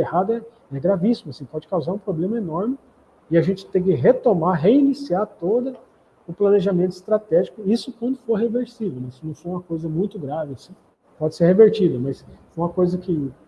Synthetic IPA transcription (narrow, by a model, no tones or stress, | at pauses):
ehad̪ɐɛ | ɛɡɾavisimʊasĩpɔd͡ʒɪkawzaɾũpɾoblẽmɐenɔɾmɪ | ɪaʒẽnt͡ʃɪ̥t̪ẽk̬ɪɦet̪omaɦeinisiaɾt̪od̪ɐ | ʊplɐneʒamẽnt̪ʊɪst̪ɾat̪ɛʒikʊisʊkwɐ̃nd̪ʊfoɾɦeveɾsivewnɛisʊnɐ̃w̃foɾjũmɐkojzɐmũj̃t̪ʊɡɾavɪasĩ | pɔd͡ʒɪseɾheveɾt͡ʃid̪ɐmɐsfojũmɐkojzɐkɪ